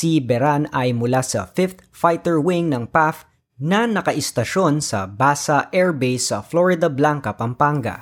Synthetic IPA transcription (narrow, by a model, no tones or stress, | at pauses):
sibɛɾanɐjmʊlasɐ̰fɪft̪̚fajt̪ɛɹwɪŋnɐŋpaf | nɐnɐkɐʔɪst̪ɐʃo̞nsɐ̰baːsɐʔɛɹbejsɐfloɹɪd̪ɐblaŋkɐpɐmpaŋɡɐ̰